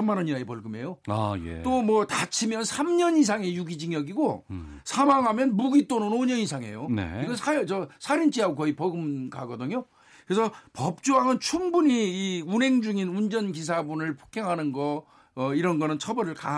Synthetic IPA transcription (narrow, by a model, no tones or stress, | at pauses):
ʌmːanʌɲinaepʌɭɡɯme̞joajḛt͈omʌtat͡ɕʰimjʌnsʰamɲʌnis̬ʰaŋe̞juɡid͡ʑiŋjʌɡiɡosʰamaŋɦamjʌnmuɡit͈onɯnoɲʌnisʰaŋe̞̰jonḛiɡʌsʰajʌt͡ɕʌsʰaɾint͡ɕ͈iaɡokʌipʌɡɯmɡa̰ɡʌdɯɲo | kɯɾesʰʌpʌp̚t͡ɕ͈uɦaŋɯnt͡ɕʰumbuɲiːunɦe̞ŋd͡ʑuŋinund͡ʑʌnkis̬ʰabunɯɭpʰokʰeŋɦanɯnɡʌː | iɾʌnɡʌnɯnt͡ɕʰʌbʌɾɯɭka